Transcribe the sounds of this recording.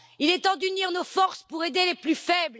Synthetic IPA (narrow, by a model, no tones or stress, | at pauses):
ilet̪ɑ̃d̪yniʁnofɔʁspuʁed̪eleplyfɛbl